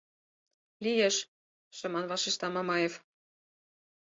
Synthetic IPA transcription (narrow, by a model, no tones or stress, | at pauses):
lijeʃ | ʃɤ̆mɑnvɑʃiʃt̪ɑmɑmɑjef